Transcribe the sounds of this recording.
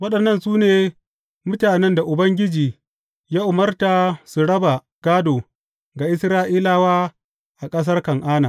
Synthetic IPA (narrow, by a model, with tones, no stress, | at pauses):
wɐ˦ɗɐ˨nːɐ˦˨nsuː˦neː˨ | mʊ˦taː˨nɛ˦nda˨ʔʊ˨bɐ˦ŋɡʲɪ˦d͡ʒiː˨ | jaː˦ʔʊ˨mɐ˦rta˨su˨ɽɐ˦ba˨ | ɡ̥aː˦doː˨ | ɡa˨ʔɪ˦sɾaː˦ʔiː˦laː˦waː˦ | ʔa˨kʼɐ˦s̬ɐ˦rkɐ˨ŋʔaː˦naː˨